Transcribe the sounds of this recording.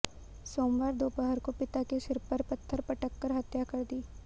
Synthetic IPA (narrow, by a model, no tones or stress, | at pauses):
soːmʋaːɾd̪oːpəɦəɾkopɪt̪akeʃɪɾpɐɾpɐt̪ʰːəɾpɐʈəkːəɾɦɐt̪jakɐɾd̪iː